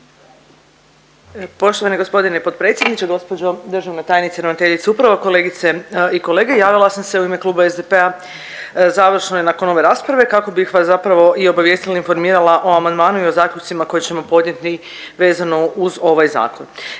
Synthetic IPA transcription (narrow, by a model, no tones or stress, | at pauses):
po̞ʃt̪oʋaniɡo̞spo̞d̪inepo̞t̪̚pɾe̞t̪sʲjed̪nit͡ɕeɡo̞spod͡ʑo̞d̪rʒaʋnat̪aːjenit̪sieɾonat̪eʎit̪seupɾaʋako̞lˠe̞ːɡit̪seiko̞le̞ːɡejaːʋilˠasamse̞uime̞kluːbaezd̪epe̞a | zaʋr̩ʃnojenako̞no̞ʋe̞ɾaːspɾaʋe̞kako̞bixʋaszapɾaʋo̞ʔio̞baʋje̞ːst̪ilainfo̞ɾmiːɾalaʔo̞amand̪maːnuio̞zaːklʎut͡ʃ̪simako̞jet͡ɕe̞mo̞po̞d̪nɲe̞t̪ni | ʋe̞ːzano̞uzo̞ʋajza̰ːko̞n